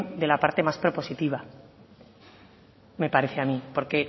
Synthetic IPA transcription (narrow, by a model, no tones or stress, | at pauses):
nd̪e̞lapaɾt̪e̞maspɾo̞po̞sit̪iβ̞a | me̞paɾe̞θeamĩpo̞ɾke̞